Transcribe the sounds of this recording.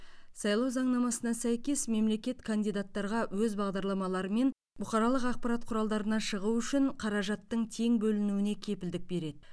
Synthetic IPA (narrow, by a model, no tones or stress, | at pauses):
sɑjlˠɑwzɑɴnɑmɑsənɑsæjkʲe̞sme̞mle̞kʲe̞t̪kʰand̪ijd̪at̪ːɑɾʁɑwɵzbɑʁd̪ɑɾlˠɑmɑlˠɑɾəme̞n | bʊqɑɾɑlˠəqɑq̚pɑɾat̪̚qʰʊɾɑlˠd̪ɑɾənɑʃəʁuʏʃɪɴqʰɑɾɑʒɑt̪ːəɴt̪ʰe̞ŋbɵlɪnuwɪne̞kʲʰe̞pɪld̪ɪk̚be̞ɾe̞d̪ɪ